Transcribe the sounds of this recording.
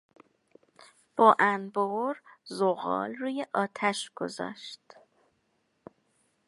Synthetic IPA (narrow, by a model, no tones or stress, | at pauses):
b̥ɒːʔænboɾzoɣɒ̰ːlruːjeʔɒːt̪ʰæʃɡ̥o̞̰zɒ̰ːʃt̪